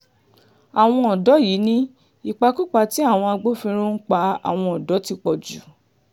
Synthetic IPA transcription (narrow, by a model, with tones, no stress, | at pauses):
a˨w̃ɔ̃˧ɔ˨dɔ˨˦ji˨˦nĩ˦ | i˨k͡pa˧ku˦k͡pa˧ti˦a˦˨w̃ɔ̃˧a˧ɡ͡bo˦fĩ˧ɾ̃ũ˦n̩˦k͡pa˧a̰˨w̃ɔ̃˧ɔ˨dɔ˨˦ti˧k͡pɔ˨d͡ʒu˨